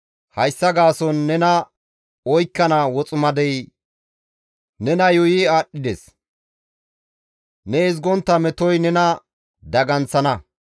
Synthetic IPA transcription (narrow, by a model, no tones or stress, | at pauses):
hɐjsːɐɡaːsɔnːɛnɐ | ɔjkːɐnawɔt͡sʼʊmɐd̪ɛj | nɛnɐjɔjɪaːɗːɪd̪ɛs | nɛɪzɡɔnt̪ːɐmɛt̪ɔjnɛnɐ | d̪ɐɡɐnt͡sːɐnɐ